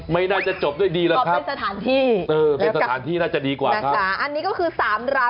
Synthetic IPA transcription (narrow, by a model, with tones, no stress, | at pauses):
ma˥˩jnaː˥˩t͡ɕa˨˩t͡ɕo˨˩p̚du˥˩jdiː˧lɛ˦˥˩kʰa˦e˥˧nsa˧t̪ʰaː˩˦nt̪ʰiː˥˩ʔɤː˧pe˧nsa˧t̪ʰaː˩˦nt̪ʰiː˥˩naː˥˩t͡ɕa˨˩diː˧kwaː˨˩a˧˩kʰa˥a˦ʔa˧nːiː˦˥kɔː˥˩kʰɯː˧saː˩˦mɾaː˦˥